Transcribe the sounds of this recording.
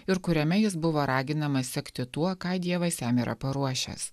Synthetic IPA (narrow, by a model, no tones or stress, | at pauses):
ɪɾkʊɾʲɛmʲɛjɪs̬bʊʋoːɾɑːɡʲɪnɐmɐssʲɛkʲt̪ʲɪt̪uɔkɑːɪd̪ʲiɛʋɐɪsʲæːmʲiːɾɐ̰pɐɾuɔʃʲɛ̰s